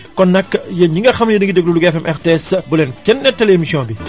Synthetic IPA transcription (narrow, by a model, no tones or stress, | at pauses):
kɔnːɐkːjɐɲiŋɡɐxɐmjɐdiŋɡidɛɡ̚luluɡɛfɛmʔɛxteɛsbulɛːnkɛnːɛtːɐlemisiɔ̃ːnbi